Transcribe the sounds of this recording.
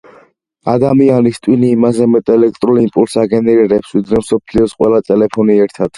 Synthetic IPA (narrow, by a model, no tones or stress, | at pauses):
a̰d̪amianist̪ʼwiniːmazɛmɛt̪ʼɛlɛk̚ʰt̪ʼɾulimpʼulsaɡɛnɛɾɛɾɛpsvid̪ɾɛmsɔpʰliɔsqʼwɛlat̪ʼɛlɛpʰɔniɛɾt̪ʰad̪̥